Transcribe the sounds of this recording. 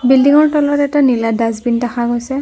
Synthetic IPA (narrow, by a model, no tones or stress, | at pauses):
bildiŋɔɹtɔlɔtɛtaniladazbintaxaɡojsɛ